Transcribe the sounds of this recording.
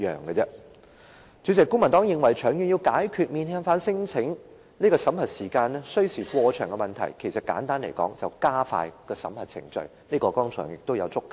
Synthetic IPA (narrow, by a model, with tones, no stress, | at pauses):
œ̰ː˨˩ŋɡə˧t͡sɛ˧˥ | t͡syː˨˥t͡sɛ˨˩kːʊ˥ŋmɐ˨˩nt̪ɔː˨˥ŋjɪ˨ŋwɐ˨˩jt͡ʃʰœː˨˩ŋjyː˨njiː˧wkaː˨˥jkʰyː˧t̚miː˧nʰɛː˧˥ŋfaː˨˥nsɪ˥ŋt͡sʰɪ˨˥ŋ | neː˥kɔː˧sɐ˨˥mhɐ˨t̚siː˨˩kaː˧nɛː˥sɵ˥ɥsiː˨˩kwɔː˧t͡ʃʰœː˨˩ŋkɛ˧mɐ˨˩nt̪ʰɐ̰˨˩jkʰe˨˩jsɐ˨t̚ka̰ː˨˥nt̪aː˥nlḛ˨˩jkɔ̰ː˨˥ŋt͡sɐ˨˩wkaː˥fa̰ː˧jkɛː˧sɐ̰˨˥mhɐ˨t̚t͡sʰɪ̰˨˩ŋt͡ʃɵ̰˧ɥ | niː˥kɔː˧kɔː˥ŋt͡sʰɔ̰ː˨˩ŋjɪ˨k̚t̪o˥wjɐ˨˧wt͡sʊ˥kː